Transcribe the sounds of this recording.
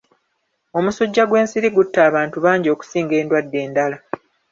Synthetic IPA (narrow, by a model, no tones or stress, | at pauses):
o̞musoɟːaɡwe̞ːnsiɾiɡutːaːβaːntuβaːɲɟio̞ːku̥siːŋɡe̞ːndwadːe̞ːndala